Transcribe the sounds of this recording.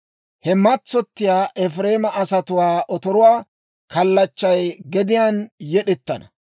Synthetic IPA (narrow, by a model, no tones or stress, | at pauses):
hɛmɐt͡sːɔt̪ːɪjaːʔɛfɾeːmɐʔɐsɐt̪ʊwaːʔɔt̪ɔɾʊwaː | kɐlːɐt͡ʃːɐjɡɛd̪ɪjaːnjɛɗɛt̪ːɐ̰nɐ̰